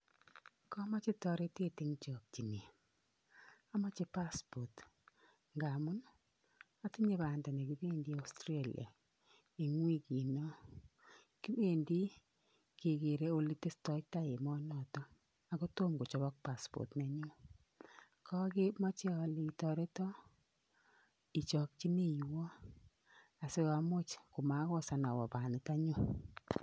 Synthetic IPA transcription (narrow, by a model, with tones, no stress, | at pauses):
kɔ˦ma˦t͡ʃɪ˦tɔ˨ɾe˦te˦tɪ˦ŋt͡ʃɔ˨k̚t͡ʃi˨ni˨ | a˦ma˦t͡ʃɪ˦pa˦spɔ˨t | ŋɡa˨mu˦n | a˨˦ti˦ɲe˦˨ba˨nda˨nɛ˨ki˨be˦ndi˦a˨˦stɾe˦lḭ˨a̰˨ | i˨ŋwi˦ki˨no˦ | ki˦be˦˨ndi˦ | ke˨ke˨ɾe˦o˦li˦te˦stɔ˦ta˦je˨mɔ˦nɔ˨tɔ˦ | a˨ko˦to˦mɡo˨t͡ʃɔ˨βɔ˦k̚pa˨spɔ̰˨tne˨˦ɲʊ˦ | kʰɔ˦kɪ˦mɔ˦t͡ʃɛ˦ɔ˨li˨tɔ˨ɾe˦tɔ˦ | i˨t͡ʃɔ˨k̚t͡ʃi˦ne˦jwɔ˦ | a˨se˦ka˨mo˦t͡ʃku˨ma˨˦kɔ˦sa˨na˨wɔ̰˨ba˨ni˨ta˦ɲu˦